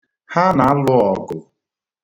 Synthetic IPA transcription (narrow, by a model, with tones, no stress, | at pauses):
ha˦na˨a˦lʊ˦ɔ˨ɡʊ˨